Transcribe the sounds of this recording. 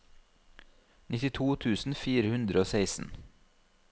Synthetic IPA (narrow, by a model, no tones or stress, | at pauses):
nɪt̪ɪt̪ʰuːt̪ʰʉːsn̩fiːɾəhʉnd̪ɾəoːseɪsn̩